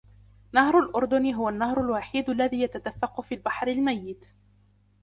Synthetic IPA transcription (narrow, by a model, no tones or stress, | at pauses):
nahɾʊlʔʊɾˤd̪ʊnɦʊwanːahɾˤʊlwaːħiːd̪alːaðiːjat̪ad̪afːɑqʊfiːlbaħɾɪlmajːɪt̪